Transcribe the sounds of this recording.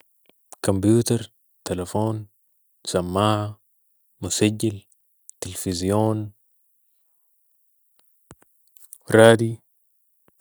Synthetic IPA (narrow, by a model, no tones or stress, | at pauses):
kombjuːt̪aɾ | t̪alafoːn | samːaːha | musaɟːil | t̪ilfizijoːn | ɾaːd̪i